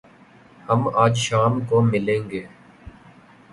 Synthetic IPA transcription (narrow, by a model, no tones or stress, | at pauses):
həmaːd͡ʒʃaːmkomɪlẽːŋɡeː